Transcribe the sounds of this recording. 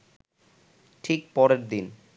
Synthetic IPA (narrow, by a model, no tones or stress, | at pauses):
ʈʰikpɔɾeɾd̪in